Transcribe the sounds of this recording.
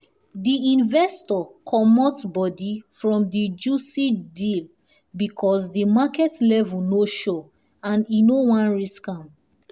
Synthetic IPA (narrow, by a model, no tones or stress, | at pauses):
diĩnvɛstɔkʰɔmɔtsbɔdifɹɔ̃mdid͡ʒusidil | bikʰɔsdimakɛtlɛvunoʃɔ | ãninowãnɹiskãm